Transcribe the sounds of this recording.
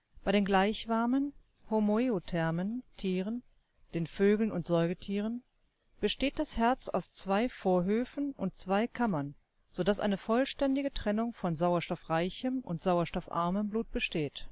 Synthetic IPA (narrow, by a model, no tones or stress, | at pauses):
b̥aɪɾeːnɡlaɪçv̥aɐmən | homoeotʰɛɐməntʰiːʁən | d̥eːnføːɡl̩nʊntz̥ɔɪɡətʰiːʁ̞ən | b̥əʃteːt̚d̥ashɛɐt͡sa̰ʊst͡sv̥aɪfoːɐɦøːfn̩ʔʊnt̚t͡sv̥aɪkʰamɐn | z̥odasʔa̰ɪnəfɔlʃtɛndɪɡətʁ̥ɛnʊŋfɔnzaʊɐʃtɔfʁaɪçəmʔʊ̰ntz̥aʊɐʃtɔfʔa̰ɐməmbluːt̚b̥əʃteːt